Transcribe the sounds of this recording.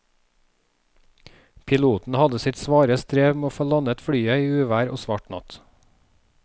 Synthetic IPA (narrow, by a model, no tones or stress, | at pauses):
pʰɪluːt̪n̩hɑd̪əsɪt̪sʋɑːɾəst̪ɾeːʋmeːoːfoːlɑnət̪fɽyːəiːʉːʋæːɾo̰ːsʋɑʈnɑ̰t̪